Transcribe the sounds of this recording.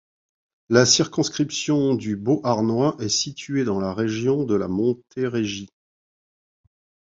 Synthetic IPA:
lasiʁkɔ̃skχipsjɔ̃d̪yboʔaʁnwaʔɛsit̪ʰɥed̪ɑ̃laʁeʒjɔ̃d̪əlamɔ̃t̪ʰeʁeʒi

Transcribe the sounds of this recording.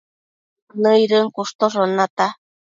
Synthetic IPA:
nəjɾɨŋkuʂt̪oʐonat̪a

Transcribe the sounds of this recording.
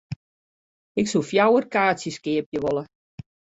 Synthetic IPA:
ɪksulˠfjawərkaːsjəskɪəpjəʋolə

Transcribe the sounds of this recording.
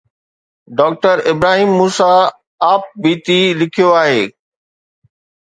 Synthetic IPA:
ɖɔːk̚ʈəɾɪbɾaːɦiːmːuːsaː | p̚biːt̪ilɪkʰijoaːɦeː

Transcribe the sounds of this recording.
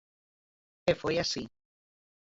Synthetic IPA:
efojasi

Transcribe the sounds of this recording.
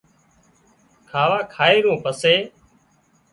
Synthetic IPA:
kʰaːʋaːkʰaːeːɾõːpəseː

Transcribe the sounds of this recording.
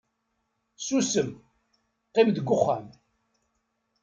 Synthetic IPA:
susəm | qːimðəɡːʊχːam

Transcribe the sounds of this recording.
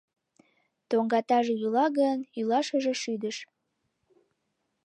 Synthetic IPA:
t̪oŋɡɑt̪ɑʒejylɑɣənylɑʃəʒeʃyd̪əʃ

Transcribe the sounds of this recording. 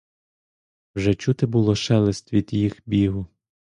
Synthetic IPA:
wʒɛt͡ʃut̪ɪbʊlˠɔʃɛlˠɪst̪ʋʲid̪jixbʲiɦʊ

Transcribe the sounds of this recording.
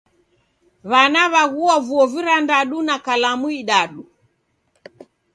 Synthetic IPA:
βanaβaɣuɔvuɔviɾandaɗunakalamuiɗaɗu

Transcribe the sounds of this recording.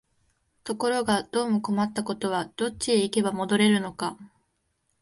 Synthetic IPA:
t̪o̞ko̞ɾo̞ɡad̪̥o̞ːmoko̞mat̪ːako̞t̪o̞β̞ad̪̥o̞t͡ɕieike̞bamo̞d̪o̞ɾe̞ɾɯ̟no̞ka

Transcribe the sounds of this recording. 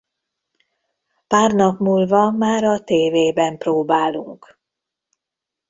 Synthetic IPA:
paːrnɒkmuːlvɒmaːɾɒt̪eːveːbɛmproːbaːlṵŋk

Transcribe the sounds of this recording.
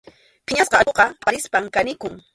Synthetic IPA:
pɪɲasqɑoqɑpaɾɪspaŋkanɪkʊŋ

